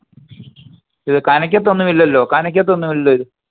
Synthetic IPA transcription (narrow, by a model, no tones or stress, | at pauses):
iðɨkanɐk̬ʲːɐt̪̬ːo̞nːumilːɐlːo̞ːkanɐk̬ʲːɐt̪ːo̞nːumilːoːiðɨ